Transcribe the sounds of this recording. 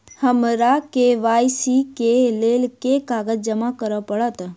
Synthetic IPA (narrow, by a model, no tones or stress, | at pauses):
həmɾakeʋaːjsikeleːlkekaːɡəd͡ʒd͡ʒəmakəɾəpəɽət̪